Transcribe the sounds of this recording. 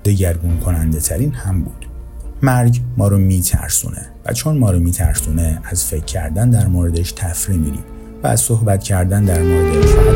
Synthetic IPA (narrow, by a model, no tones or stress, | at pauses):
d̪̥e̞ɟæɾɡunkʰo̞nænd̪e̞t̪ʰæɾiːnhæmbuːd̪̥ | mæɾɟmɒːɾomiːt̪ʰæ̰ɾsṵːnʔe̞̰væ̰t͡ʃʰo̞nmɒːɾomiːt̪ʰæ̰ɾsuːne̞æzfe̞cʰːæ̰ɾd̪ænd̪æɾmoɾe̞d̪eʃt̪ʰæfɾimiːɾḭːd̪ | vææ̰z̥sohbæt̪cʰæɾd̪ænd̪æɾmoɾed̪eʃfæ